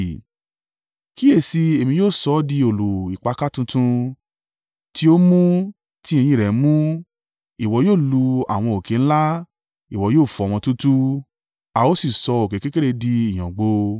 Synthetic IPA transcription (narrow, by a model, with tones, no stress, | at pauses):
ki˦e˦˨si˧e˨mĩ˧joː˦˨sɔ˧˦di˧o˨lu˨i˨k͡pa˨˧ka˦tũ˧tũ˧ | ti˦o˦mũ˦ | ti˦ẽ˧j̃ĩ˧˨ɾɛ˨˦mũ˦ | i˨wɔ˧˦joː˦˨lu˧a̰˨w̃ɔ̃˧o˨kẽ˨˦ñ̩˦la˦ | i˨wɔ˨˧˦joː˦˨fɔ̃˨ɔ̃˧tũ˦tu˦ | a˧o˦si˦˨sɔ˧o˨ke˨ke˦ke˦ɾe˧di˧i˨j̃ã˨ɡ͡bo˧